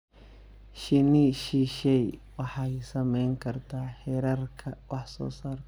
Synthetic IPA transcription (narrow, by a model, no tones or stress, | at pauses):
ʃɪniːʃiːʃɛjwɑħɑjsɐmɛjŋkʰɐrt̪ʰaːħɛɾɐrkʰɐwɑħsɔ̰ːsaːrt̪ʰ